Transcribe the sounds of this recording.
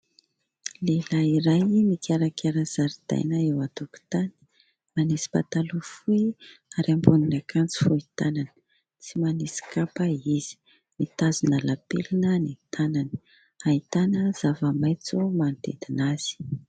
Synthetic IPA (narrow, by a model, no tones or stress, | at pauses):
lelaiɾajmik̪ʰiaɾakʰʲaɾaz̥aɾid̪̥a̰jnəewat̪uku̥t̪ani̥ | manisi̥pa̰t̪alufuiaɾambuninakʰant͡si̥fuit̪anani̥ | t͡simanisi̥kapaiz̥i̥ | mit̪azunəlapḛlinənit̪anani̥ | ait̪anəz̥avəmajt͡sumant̪ḛd̪inaz̥i̥